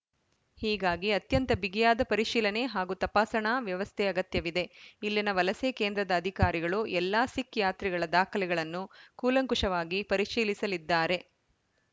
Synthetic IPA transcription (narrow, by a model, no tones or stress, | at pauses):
hiːɡaːɡiɐt̪jɐnt̪ɐbiɡijaːd̪ɐpɐɾiʂiːlɐne̞ɦaːɡut̪ɐpaːsɐɳaːʋjɐʋɐst̪ʰɛɐɡɐt̪jɐʋid̪e̞ilːinɐʋɐlɐseːkeːnd̪ɾɐd̪ɐːd̪ʱikaːɾiɡɐɭuʔɛlːaːsikjaːt̪ɾiɡɐɭɐd̪aːkʰɐlɛɡɐɭɐnːukuːlɐŋkuʂɐʋaːɡipɐɾiʂiːlisɐlid̪ːaːɾe̞